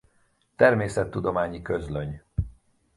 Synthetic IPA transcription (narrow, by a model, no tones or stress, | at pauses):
t̪ɛrmeːsɛt̪ːud̪o̞maːɲikøzløɲ